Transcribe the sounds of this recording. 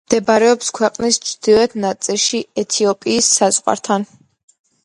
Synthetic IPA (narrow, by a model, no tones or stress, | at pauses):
md̪̥ɛbaɾɛɔpskʰwɛqʼnist͡ʃʰd̪̥iɾɛt̪ʰnat̪sʼilˠʃiɛt̪ʰiɔpʼiːsːazʼʁʼwa̰ɾt̪ʰan